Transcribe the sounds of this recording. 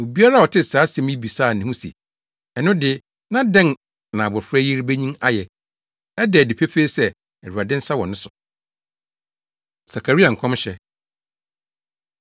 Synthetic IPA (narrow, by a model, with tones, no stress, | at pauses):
o˨bi˦a˦ɾa˦wɔ˨tʰɪ˦˨saː˨˦sɛ̃˨m˦i˦bi˨saː˦˨nɪ̃˨ũ˦sḭ˨ | ɛ˨nʊ̃˦dɪ˦ | nã˦dɛ̃˦˨n˨ | nã˨bʊ˨fɾɛ˦ji˦ɾbe˦ɲĩ˦ma˦jɛ˨ | ɛ˦dɛ˨di˨pʰe˦feː˦sɛ˦ | ɛ˨ɾu˨a˨dɪ̃˦n̩˦sa˦wɔ̃˨nɪ̃˦sʊ˨ | sa˨kʰa˨ɾi˦a˨ŋ̩˨kʰɔ̃˦mɕɛ˨